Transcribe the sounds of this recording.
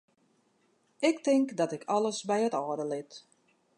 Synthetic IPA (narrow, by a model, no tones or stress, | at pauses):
ɪktɪŋkdɔtɪkʰɔləsbɛjətɔːdəlɪt